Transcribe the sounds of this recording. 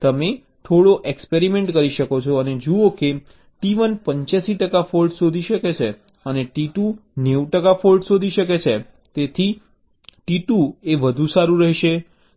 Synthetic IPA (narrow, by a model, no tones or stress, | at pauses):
t̪əme | t̪ʰoɽoʔekspeɾimeɳʈkəɾiʃəkot͡ʃʰoəned͡ʒuoke | ʈiʋənpəɲt͡ʃjasiʈəkafolʈsod̪ʱiʃəket͡ʃʰe | əneʈiʈuneʋʈəkafolɖsod̪ʱiʃəket͡ʃʰe | t̪et̪ʰi | ʈiʈueʋəd̪ʱusaɾũɾəɦɛʃe